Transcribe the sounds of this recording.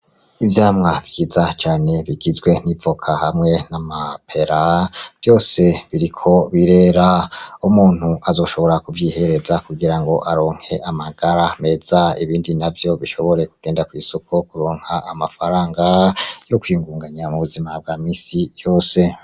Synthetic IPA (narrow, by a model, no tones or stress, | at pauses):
ivjaːmŋavjiːzat͡ʃaːne̞βiɡizɡwe̞nivo̞kʰahamŋe̞namapʰe̞ɾav̥jo̞ːse̞βiɾikʰo̞βiɾe̞ːɾaumuːn̥huazo̞ːʃo̞βo̞ɾakuvjiːhe̞ɾe̞zakuɡiɾaŋɡo̞ʔaɾo̞ːŋ̥he̞ʔamaɡ̥aɾame̞z̥aiβiːndinavjo̞βiʃo̞βo̞ɾe̞kuɡ̥eːndakwiːsokʰokuɾoːŋ̥haːmafaɾaːŋɡajokwijuŋɡuːŋɡaɲamuβuzimab̚ɡaːmisijo̞ːse̞